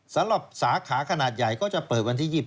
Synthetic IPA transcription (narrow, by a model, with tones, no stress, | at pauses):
sa˨˦mɾa˨˩p̚saː˨˩˦kʰaː˩˦kʰa˧naː˨˩t̪̚ja˨˩jkɔː˥˩t͡ɕa˨˩pɤː˨˩t̪̚wa˧nt̪ʰiː˥˩jiː˨˩p̚